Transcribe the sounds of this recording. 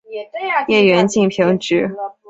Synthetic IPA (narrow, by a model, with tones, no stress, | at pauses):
jɛ˥˩ɥɛ˧˥nt͡ɕi˥˩ŋpʰi˧˥ŋʈ͡ʂɻ̩˨˥˦